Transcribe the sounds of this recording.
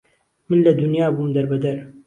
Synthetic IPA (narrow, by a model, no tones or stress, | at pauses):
mɨnlɐd̪ʊnjaːbumd̪ɐɾbɐd̪ɐɾ